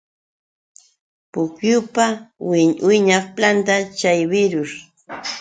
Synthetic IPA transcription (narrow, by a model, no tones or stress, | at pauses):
pʊkjʊpawɪwɪɲaχplant̪at͡ʃajbɪɾʊɾ